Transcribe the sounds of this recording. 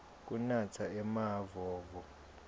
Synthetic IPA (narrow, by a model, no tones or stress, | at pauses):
k̬ʼunat͡sʰaɛmavɔːvɔ